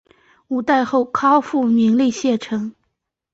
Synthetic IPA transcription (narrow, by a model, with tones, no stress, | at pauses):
u˨˩t̪a˥˧ɪxo˥˩ʊkʰɑ˥ʊfu˥˩mi˧˥ŋli˥˧ɕjɛ˥˩ʈ͡ʂʰɤ˧˥ŋ